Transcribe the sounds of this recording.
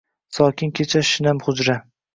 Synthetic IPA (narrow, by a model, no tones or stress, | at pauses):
sɒkʲɪnkʲʰet͡ʃʰaʃɪnamχʊd͡ʒɾa